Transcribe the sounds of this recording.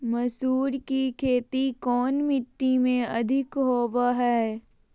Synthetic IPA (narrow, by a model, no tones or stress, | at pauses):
mɐsuːɾkikʰeːt̪ikɔːnmɪʈ̪ːimẽɐd̪ʱɪkɦoːʋaɦɛː